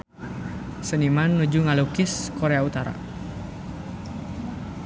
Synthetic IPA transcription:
sənimanːud͡ʒuŋalukɪskoɾeaut̪aɾa̰

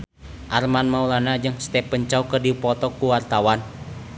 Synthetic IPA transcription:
ʔarmanmaulanad͡ʒɨŋst̪ɛpəɲt͡ʃaukərdiupɔt̪ɔkuwart̪awan

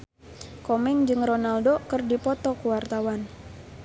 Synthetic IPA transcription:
komɛŋd͡ʒɨŋronaldokɨrdipɔt̪ɔkuwart̪awan

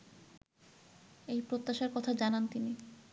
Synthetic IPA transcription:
ejpɾot̪ːaʃaɾkɔt̪ʰad͡ʑanant̪ini

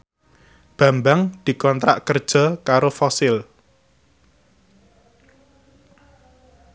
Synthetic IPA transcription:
b̥a̤mbaŋd̪̥i̤kɔnt̪ɾa̰ʔkərd̥ʒ̥ɔ̤kaɾofɔsɪl

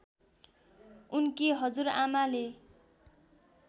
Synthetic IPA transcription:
unkiɦʌd͡zuɾamale

